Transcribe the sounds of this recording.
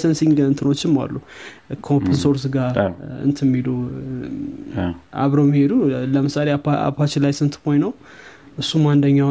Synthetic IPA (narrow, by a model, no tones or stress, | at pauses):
sənsiŋɡɨnɨnt̪ʰɨno̞t͡ʃːɪma̰lːu | kʰəopʰɨnso̞ɾs̬ɡaɨ̰nt̪ʰɨmːilu | a̰βɾowmːihed̪uləmɨsalea̰pʰat͡ʃːɪlajsɨnshojnəw | ʔɨsːumand̪əɲːa